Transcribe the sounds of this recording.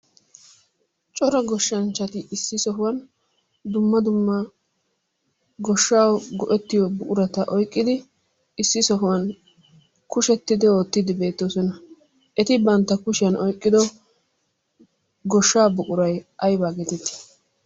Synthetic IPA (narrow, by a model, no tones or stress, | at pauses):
t͡ʃʼɔɾɐɡɔʃːɐnt͡ʃːɐt̪ɪɪsːɪsɔɦʊwɐn | d̪ʊmːɐd̪ʊmːɐ | ɡɔʃːaːwɡɔʔɛt̪ːɪjɔbʊkʼʊɾɐt̪ɐʔɔjkʼːɪd̪ɪ | ɪsːɪsɔɦʊwɐn | kʊʃɛt̪ːɪd̪ɪoːt̪ːɪd̪ɪbe̞ːt̪ːoːsɔnɐ | ʔɛt̪ɪbɐnt̪ːɐkʊʃɪjɐnʔɔjkʼːɪd̪ɔ | ɡɔʃːaːbʊkʼʊɾɐjʔɐjbaːɡɛt̪ɪt̪ːɪ̥